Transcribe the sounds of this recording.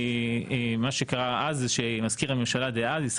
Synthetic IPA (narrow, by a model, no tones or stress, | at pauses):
emaʃe̞kaʁaazʃemazkiʁamemʃalad̪eazis